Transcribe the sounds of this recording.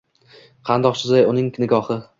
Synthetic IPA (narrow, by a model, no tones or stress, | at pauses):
qʰɑnd̪ɒqt͡ʃʰɪzajʊnɪŋnɪɡɒhɪ